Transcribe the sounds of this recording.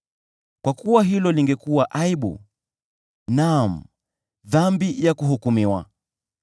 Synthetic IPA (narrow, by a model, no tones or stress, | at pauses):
kwakuwaɦilɔliŋɡɛkuwaʔaiɓṵ | nam̩ | ðambijakuɦukumiwa̰